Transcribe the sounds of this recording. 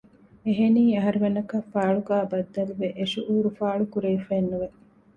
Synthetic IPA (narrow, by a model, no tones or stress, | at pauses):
eɦeniːɐɦɐɾiʋenɐkɐfaːɭuɡæːbɐd̪ːɐluʋeʔeʃuʔuːɾufaːɭukuɾeifeːnːuʋe